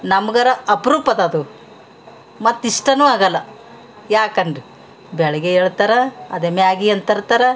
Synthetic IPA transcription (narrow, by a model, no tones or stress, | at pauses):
nɐmɐɡɐɾɐɐpɾuːpɐd̪ɐd̪u | mɐt̪ːiʂʈɐnuaːɡɐlːɐ | jaːkɐɳɖi | bɛɭɐɡeeːɭt̪aɾɐɐd̪emejaːɡiɐnt̪ɐɾt̪aːɾɐ